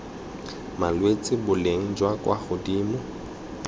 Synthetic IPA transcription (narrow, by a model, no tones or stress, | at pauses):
malwet͡sʼɪbʊleŋ̩d͡ʒwakʼwaχʊdiːmʊ